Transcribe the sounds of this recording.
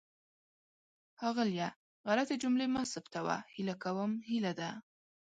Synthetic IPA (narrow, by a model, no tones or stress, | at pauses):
hɑɣɪlja | ɣalat̪ed͡ʒʊmlemasəpt̪awa̰hilakawəmhilad̪a